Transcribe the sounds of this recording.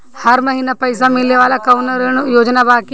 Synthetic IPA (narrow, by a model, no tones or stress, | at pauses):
hɐɾmɐɦiːnapɐɪsamɪlneʋaːlakɐʊnəɾnjoːd͡ʒnabaːki